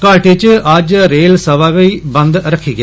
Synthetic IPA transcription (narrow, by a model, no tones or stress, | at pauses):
kaːʈet͡ʃʔaːd͡ʒɾeːlsɐʋaːʋɐjbɐnd̪ɾɐkʰːiɡe